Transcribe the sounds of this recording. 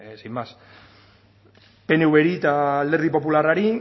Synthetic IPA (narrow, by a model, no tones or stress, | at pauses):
sjmas | pe̞ne̞uβe̞ɾit̪aleɾð̞ipo̞pularaɾi